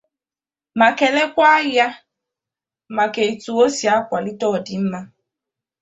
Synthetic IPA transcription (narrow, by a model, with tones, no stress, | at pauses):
ma˨ke˨le˦kʷa˦ja˦ | ma˨ke˨i˨tu˨o˦si˨a˦kʷa˨li˦tɔː˦˨dɪ˨m̩˦ma˦